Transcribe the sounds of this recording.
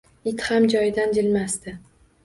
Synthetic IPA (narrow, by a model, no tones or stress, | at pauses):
ɪt̪hamd͡ʒɒjd̪and͡ʒɪlmast̪ɪ